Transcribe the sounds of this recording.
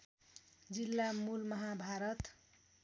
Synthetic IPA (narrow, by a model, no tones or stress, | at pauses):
d͡zilːamulmʌɦabʱaɾʌt̪